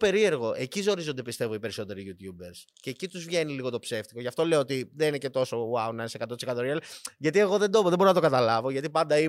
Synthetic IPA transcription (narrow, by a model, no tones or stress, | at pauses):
pe̞ɾie̞ɾɣo̞ʔe̞cizo̞ɾizo̞nd̪epist̪e̞voipe̞ɾiso̞t̪e̞ɾiʝut̪jubeɾs | ceːcit̪uzvʝe̞niliɣot̪opse̞ft̪iko̞ʝɐft̪o̞le̞oot̪iðenine̞ce̞t̪o̞so̞wɐonɐinsekɐt̪ot̪sekɐt̪oɾiɐliʝɐt̪ie̞ɣo̞ðe̞nd̪ooðebo̞ɾonɐt̪o̞kɐt̪ɐlɐvo̞ʝɐt̪ipɐnd̪ɐi